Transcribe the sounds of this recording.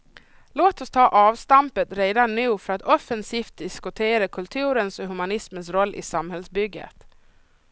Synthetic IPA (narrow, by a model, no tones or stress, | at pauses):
loːt̪ɔst̪ʰɑːʔɑːvst̪ampət̪ɾeːd̪anːʉ̟ːfœɾat̪ɔfənsiːft̪̚d̪ɪskʊt̪ʰeːɾakʰɵlt̪ʰʉ̟ːɾənsɔɦʉmanɪsmənsɾɔlːʔɪ̰samhɛlsbʏɡːə̰t̪